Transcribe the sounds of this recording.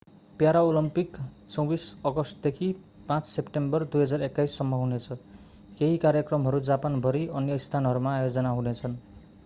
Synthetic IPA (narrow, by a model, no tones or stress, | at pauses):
pjaɾaolʌmpikt͡sʌ̃w̃bisʌɡʌsʈ̚d̪ekʰi | pãt͡ssepʈembʌrd̪ujɦʌd͡zarekːajsːʌmːʌɦunet͡sʰʌ | keɦikarjʌkrʌmɦʌɾud͡zapanbʱʌɾiʌnjʌist̪ʰanɦʌɾumaːjod͡zʌnaɦunet͡sʰʌn